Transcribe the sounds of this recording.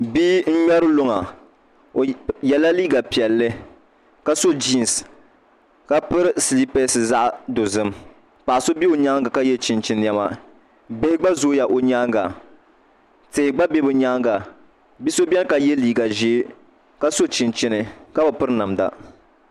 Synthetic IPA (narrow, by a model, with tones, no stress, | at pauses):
bi˦n̩˦ɲɛ˦ɾɨ˦lo˦ŋa˨ | jɛ˨la˦liː˦ɡa˨pi˨ɛ˨lːɨ˦ | ka˦so˦d͡ʒi˦˨n˨s | ka˦pɨ˦ɾɨ˦sli˦pe˦sɨ˨za˦ʔdo˨zɨ˦m | pa˨so˦bi˦o˨ɲa˦ŋɡa˨ka˦jɛ˦t͡ʃɪ˨nt͡ʃɪ˦njɛ˦ma˦ | be˦ɡ͡ba˦zo˦ja˨ʔo˨ɲaː˦ŋɡa˨ | te˨ɡ͡ba˦bɛ˦bɨ˨ɲa˦ŋɡa˨ | bi˦so˦bɛ˦lka˨jɛ˦liː˦˨ɡa˨ʒe˦ | ka˦so˦t͡ʃi˨nt͡ʃɪ˦nɨ˨ka˦ba˨pɨ˦ɾɨ˦na˨mda̰˦